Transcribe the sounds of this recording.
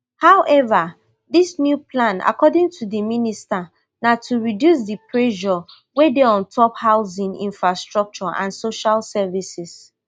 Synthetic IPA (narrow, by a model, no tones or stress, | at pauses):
hawʔɛva | ðisnjupʰlãna̰kɔdĩŋtʰudimĩnista | natʰuɹidjus̬dipʰɹɛʃɔ | wedeɔ̃ntʰɔphaʊzĩŋḭ̃nfɹastɹɔk̚t͡ʃɔʔã̰nsoʃalsɛvisis